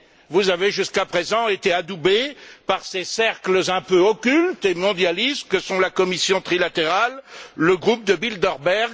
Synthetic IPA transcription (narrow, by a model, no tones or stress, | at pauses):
vuzaveʒyskapχezɑ̃et̪ead̪ubepaʁsesɛʁkləzɛ̃pøɔkʲylt̪emɔ̃d̪jalist̪̚kəsɔ̃lakɔmisjɔ̃t̪χilat̪eʁalːəɡʁup̚d̪əbild̪ɔʁbɛʁɡ